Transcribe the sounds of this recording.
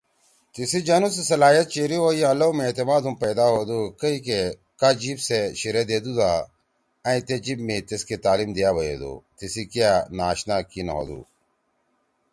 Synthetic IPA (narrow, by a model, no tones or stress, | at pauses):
t̪ɪsiːd͡ʒanũsesɐlaːjət̪̚t͡ʃeɾiɦoːiãːloːmẽeːt̪ɪmaːd̪umpəːd̪aːɦoːd̪uːkəiːke | kaːd͡ʒibseʃɪɾed̪eːd̪uːd̪aː | ãĩːt̪eːd͡ʒibmĩt̪esket̪aːliːmd̪ijaːʋɐjḛːd̪o̰ːt̪ɪsikjaːnaːʃnaːkina̰ɦo̰ːd̪ṵː